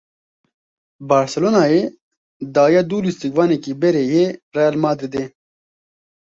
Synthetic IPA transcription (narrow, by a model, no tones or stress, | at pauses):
baːɾsɛloːnaːje | d̪aːjaːd̪uːlist̪ikvaːnekibɛɾeːjerɛjalmaːd̪ɾid̪eː